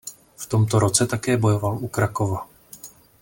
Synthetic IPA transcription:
ft̪o̞mt̪oɾo̞t͡sɛt̪akɛːbo̞jo̞valʔukɾakova

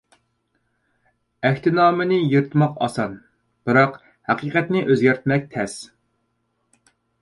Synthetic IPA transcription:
æxʲt̪ʰɪnɑːmɪnɪjeɾt̪mɑqɑ̰sɑn | b̥ɨɾɑq | hæqiːqʰɛt̪nɪʔøzɡʲæɾt̪mɛk̚ʲt̪ʰɛs

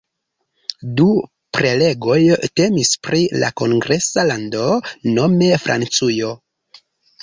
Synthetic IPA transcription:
du | pɾe̞le̞ɡo̞jte̞mispɾila̰ko̞ŋɡɾe̞salando̞no̞me̞fɾʔa̰nt͡sujo̞

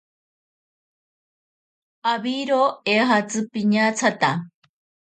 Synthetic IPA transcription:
aβiɾoeɦat͡sɨpiɲat͡sʰat̪a

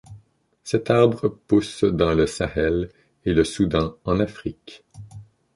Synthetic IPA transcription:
sɛt̪aʁbʁəpusd̪ɑ̃ləsaɛl | eləsud̪ɑ̃ɑ̃nafχik

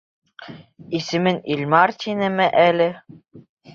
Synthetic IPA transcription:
isɘ̆mɘnilʲmɑɾt̪ʲinɘmɘʔælɘ

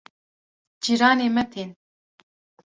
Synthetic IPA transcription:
d͡ʒiɾɑːneːmɛt̪ʰeːn

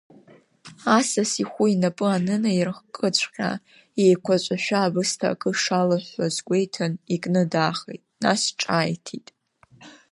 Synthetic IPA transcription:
asasiχʷuinapʼɨanɨnajirχkʼɨt͡ʃʷʰʼqʲʼa̰ | ejkʷʰat͡ʃʷʼaʃᶣaːbɨstʰa̰kʼɨʂalaħʷazɡʷe̞jtʰanikʼnɨdaːχḛjtʼna̰sʈ͡ʂʼaːjtʰitʼ

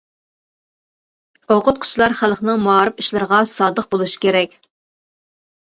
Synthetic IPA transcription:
oqʰʊt̪̚qʰʊ̥t͡ʃʰlˠɑɾχælˠχnɨŋmɑːɾɨpiʃlˠɨɾʁɑsɑːd̪əχ̚bolˠuʃi̥kʲʰeɾɛkʲ

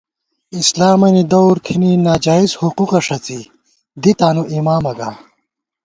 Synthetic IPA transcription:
islaːmɐnid̪owɾk̪ʰininaːd͡ʑaːizhuquqɐʂɐt͡si | d̪it̪aːnuʔimaːmɐɡa̰

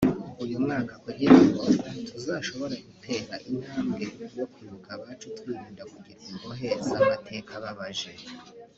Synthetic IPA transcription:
ujumŋaːkakuɾiɾiɡotʰuzaʃo̞βo̞ɾaɡutʰe̞ːɾaʔin̥haːmɡe̞wo̞kuɾukaβat͡ʃotwiːɾiːndakuɡiɾimboɦe̞ːzamatʰe̞kʰaβaβaʒe̞

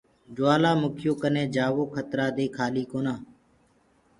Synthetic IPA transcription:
d͡ʒʊaːlaːmʊkʰɪjoːkənẽːd͡ʒaːʋoːkʰət̪ɾaːd̪eːkʰaːliːkoːnaː

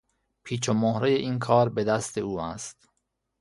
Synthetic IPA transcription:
pʰiːt͡ʃʰomoːhɾeːjeʔiːnkʰɒːɾbed̪æst̪e̞uːæst̪

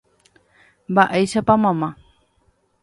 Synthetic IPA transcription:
mbaʔejʃapamãmã

